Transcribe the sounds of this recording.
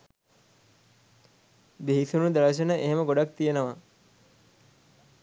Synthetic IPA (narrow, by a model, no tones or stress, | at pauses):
beɦisunud̪aləʃ̬ənəʔeɦeməɡoɖak̚t̪ijenoʋa